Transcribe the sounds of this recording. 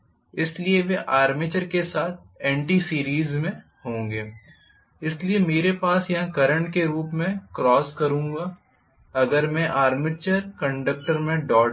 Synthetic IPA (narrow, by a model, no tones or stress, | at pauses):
ɪslieʋẽʔaːɾmɪt͡ʃəɾkesaːt̪̚ʰ | ɛ̃ːɳʈiːsiːɾiːzmẽ | hõːŋɡeː | ɪsliemeːɾepaːsjɐɦãkɐɾə̃ɳʈkeɾuːpmẽkɾɔːskɐɾũːŋɡaː | ɐɡəɾmɛ̃ʔaːɾmɪt͡ʃəɾkə̃ɳɖək̚ʈəɾmẽɖɔː